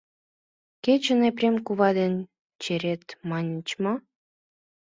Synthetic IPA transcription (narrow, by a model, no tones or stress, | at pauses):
ket͡ɕə̆neprʲemkuβɑd̪en | t͡ɕeɾet̪mɑnʲə̆t͡ɕmo